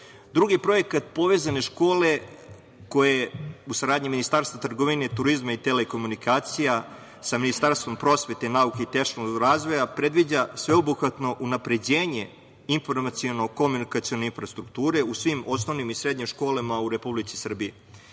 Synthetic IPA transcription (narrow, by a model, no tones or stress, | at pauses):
d̪ɾuɡipɾo̞jekat̪po̞ʋe̞ːzane̞ʃko̞ːle̞ | ko̞jeusaɾaːd̪ɲiminist̪aːɾst̪vat̪r̩ɡo̞ʋine̞t̪uɾizmait̪eleko̞munikaːt̪sija | saminist̪aɾst̪ʋo̞mpɾo̞sʋe̞t̪enaukeit̪eʃnoɡɾaːzʋo̞japɾe̞d̪ʋid͡ʑasʋeobuxʋat̪no̞ʔunapɾe̞d͡ʑeːɲe̞ | info̞ɾmat̪sio̞noko̞munikat̪sio̞neinfɾast̪ɾuk̚t̪uːɾe̞usʋimo̞s̬no̞ʋnimisɾed̪ɲimʃko̞ːlamauɾe̞publit̪sisr̩bie